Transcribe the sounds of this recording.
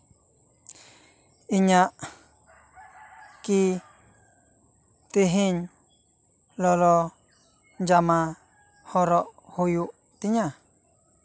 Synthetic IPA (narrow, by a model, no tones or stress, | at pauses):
iɲãʔ | ki | t̪iɦĩɲ | lolo | nd͡ʒamã | hoɾoʔhujuʔ | t̪iɲã